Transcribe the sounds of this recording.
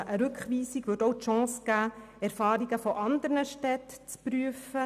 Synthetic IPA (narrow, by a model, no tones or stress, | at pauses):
ʔəɾʉkχʋiːsiɡʋɵːtowtʃɑ̃ːsɡ̥æː | ɛɾfɑːɾiɡəfɔʔɑnd̪əɾnəʃtɛtt͡spɾyəfə